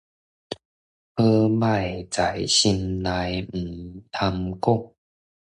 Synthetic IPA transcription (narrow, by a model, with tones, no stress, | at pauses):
pʰɤ˦ma˥˧˨jt͡sa˨˩jɕi˧nla˧˦jm̩˨˩t̪ʰa˧mku˥˩˨ŋ